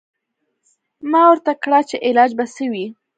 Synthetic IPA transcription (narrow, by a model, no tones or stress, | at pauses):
mɑwəɾt̪akɽɑt͡ʃeʔɪlɑd͡ʒbasəwi